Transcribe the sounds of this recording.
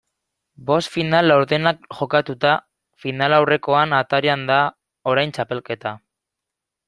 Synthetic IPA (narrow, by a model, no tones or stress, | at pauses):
bo̞st̪finalːawɾðe̞nakʝo̞kat̪ut̪a | finalawre̞ko̞anat̪aɾeand̪a | o̞ɾajnt͡ʃape̞lke̞t̪a